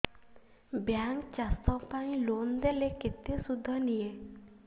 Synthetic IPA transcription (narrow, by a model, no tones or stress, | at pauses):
bjaŋkt͡ʃast̪ɔpaĩlond̪eleket̪esud̪ʱːɔnije